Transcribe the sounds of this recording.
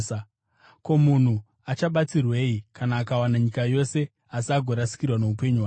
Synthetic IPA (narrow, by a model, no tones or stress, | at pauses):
ko̞mun̤u | at͡ʃaɓat͡sirwe̞ikanaːkawanaɲikajo̞se̞ | asaɡʱo̞ɾasi̥kirwane̞upe̞ɲuwaː